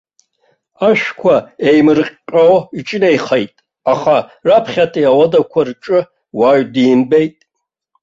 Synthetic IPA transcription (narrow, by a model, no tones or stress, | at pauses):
aʃkʷʰaejmɨrqːʲʼoit͡ʃʼnejχejtʼ | aχarapʰχʲatʰʼiawadakʷʰarʈ͡ʂʼɨ | waɥdiːmbejtʼ